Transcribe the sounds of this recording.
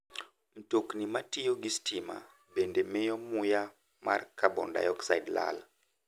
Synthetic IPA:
m̩toknimatijoɡistima̰ | bendemɛjɔmuja | ma̰rkabɔ̰nda̰jɔksaidla̰l

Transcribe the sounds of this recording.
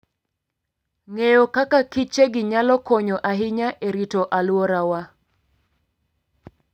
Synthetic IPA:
ŋejokakakit͡ʃeɡɪɲalɔkɔɲɔʔaɦɪɲaʔeɾitoʔalwɔɾawa

